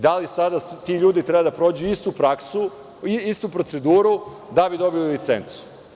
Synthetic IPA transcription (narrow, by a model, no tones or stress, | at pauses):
d̪alisad̪at̪iʎuːd̪it̪ɾebad̪apɾo̞ːd͡ʒuist̪upɾaksu | ist̪upɾo̞t̪sed̪uːɾu | d̪abid̪o̞biolit̪sḛnt̪su̥